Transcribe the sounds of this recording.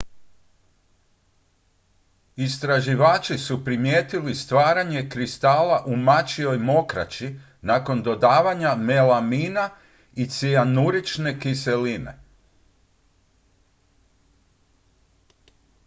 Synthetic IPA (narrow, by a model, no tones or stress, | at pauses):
ist̪ɾaʒiʋaːt͡ʃisupɾimjeːt̪ilist̪ʋaːɾaɲe̞kɾist̪aːlaʔumat͡ʃio̞jmo̞kɾa̰t͡ɕi | nako̞nd̪o̞d̪aːʋaɲamelamiːna | it̪sianuɾit͡ʃne̞kise̞line̞̰